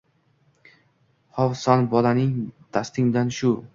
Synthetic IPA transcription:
hɒwsanbɒlanɪŋdt̪ʰast̪ɪŋd̪anʃʊ

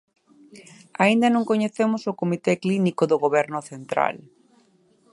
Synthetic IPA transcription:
aĩnd̪ɐnõŋkoɲeθemʊsʊkomit̪eklinikoðoɣoβ̞ɛɾnʊθent̪ɾa̰l

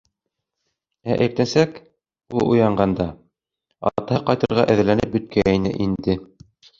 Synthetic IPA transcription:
æʔæ̆ɾt̪æsæk | ulˠujɑɴɢɑnd̪ɑ | ɑ̰t̪ɑɤqɑjt̪ɤ̆ɾʁɑʔæ̆ð̆lænɘp̚bɵ̆t̪̚kʰæinɘ̰ʔind̪ɘ

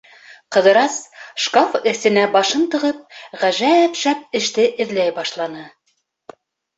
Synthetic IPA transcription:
qɤ̆ðɤ̆ɾɑsʃkofɘ̆θɘ̆næbɑʃɤnt̪ɤ̆ʁɤp̚ʁæʒæpʃæp̚ɘ̆ʃt̪ɘʔɘ̆ðlæjbɑʃlˠɑnɤ

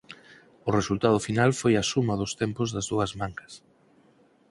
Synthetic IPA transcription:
ʊresult̪að̞ʊfinalfojɐsumɐðʊst̪empʊzðɐzðuɐzmaŋkɐ̥s

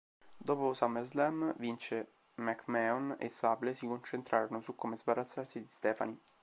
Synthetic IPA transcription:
d̪oːposamɛlzlɛmvint͡ʃe | mɛkmɛonḛsablesikont͡ʃent̪ɾʔaːɾonosukːomezbaɾat̪sːarsid̪ist̪ɛːfa̰ni

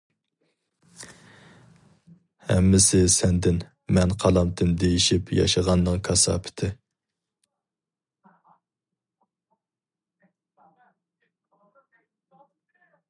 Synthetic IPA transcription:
hɛ̰mːɪsɪsɛnd̪ɪn | mɛnqʰɑlˠɑmt̪ʰɨmd̪ejiʃipjɑ̰ʃɑʁɑnːɨŋkʰɑsɑ̰ːpʰɪ̥t̪ʰɪ

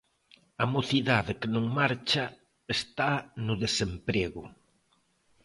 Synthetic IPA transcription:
ɐmoθiðaðɪkenõŋmaɾt͡ʃɐ | est̪anʊðesempɾeɣʊ

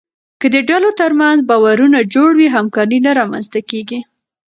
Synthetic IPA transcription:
kəd̪əɖalot̪əɾmanzbɑwaɾunad͡ʒoɽwiɦamkɑɾinaɾɑma̰nzt̪akeɡi

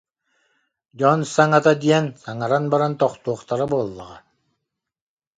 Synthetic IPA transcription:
d͡ʒɔnsaŋat̪ad̪iɛnsaŋaɾanbaɾant̪ɔχt̪uɔχt̪aɾabuɔlˠːa̰ʁa

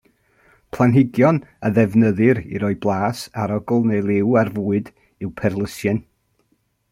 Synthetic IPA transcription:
pʰlˠanɦɪɡjɔnəðɛvnəðɨɾḭɾɔɨblˠaːsaɾɔɡlˠnelˠɪwarvuːɨd | ɨwpʰɛrlˠəsjɨn

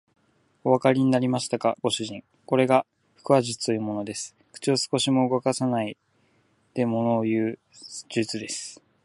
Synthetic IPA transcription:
o̞βakaɾʲiɲ̟inaɾʲimaɕi̥t̪aka̰ɡ̥o̞ɕɨʑĩŋ | ko̞ɾe̞ɡa | ɸɯ̥kɯ̟βaʑɨt͡sɨ̥t̪o̞jɯ̟ːmo̞no̞d̪e̞sɨ̥ | kɯ̥t͡ɕiosɨ̥ko̞ɕimo̞ɯɡo̞kasanai | d̪̥e̞mo̞no̞ːjɯ̟ː | d͡ʑɨt͡sɨd̪e̞sɨ̥

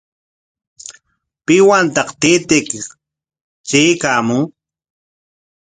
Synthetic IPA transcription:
pɪwant̪ɑqt̪et̪ɪk | t͡ʃejkaːmʊŋ

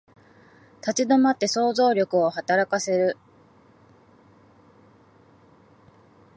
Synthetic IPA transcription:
t̪at͡ɕid̪omat̪ːe̞so̞ːzo̞ːɾʲo̞kɯ̟o̞hat̪aɾakase̞ɾɯ̟

